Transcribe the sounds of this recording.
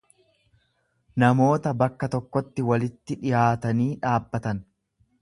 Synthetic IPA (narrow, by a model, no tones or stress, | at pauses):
nɐmo̞ːt̪ɐbɐkːɐt̪ɔkːɔt̪ːɪwɐlɪt̪ːɪᶑɪjaːt̪ɐniːᶑaːbːɐt̪ɐn